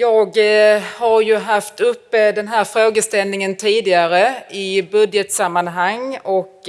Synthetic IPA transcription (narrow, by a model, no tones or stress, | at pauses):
jɑːɡhaɾjɵɦaft̪ɵpːəd̪ɛnɦæːɾfɾoːɡəst̪ɛlnɪŋənt̪ʰiːd̪ɪɡaɾəɪbɵd̪jət̪samːanɦaŋːɔk